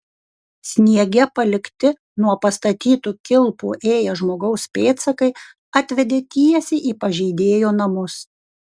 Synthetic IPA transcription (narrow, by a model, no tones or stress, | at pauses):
sʲnʲiɛɡʲɛpɐlʲɪkt̪ʲɪ | nuɔpɐst̪ɐt̪ʲiːt̪uːkʲɪlˠpṵʔeːjɛʒmoːɡɐʊspʲeːt̪sɐkɐɪ | ɑːt̪ʲʋʲɛd̪ʲeːt̪ʲiɛsʲɪʔiːpɐʒʲɛɪd̪ʲeːjoːnɐmʊs